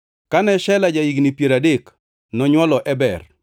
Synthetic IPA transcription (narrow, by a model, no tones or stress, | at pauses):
kanɛʃɛlad͡ʒaiɡnipjeɾadek | nɔɲwɔlɔʔɛbɛr